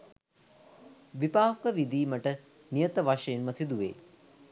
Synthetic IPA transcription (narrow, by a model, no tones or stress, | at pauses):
ʋipaːɦkəʋid̪iːməʈə | nijət̪əʋaʂəjenməsid̪uʋḛː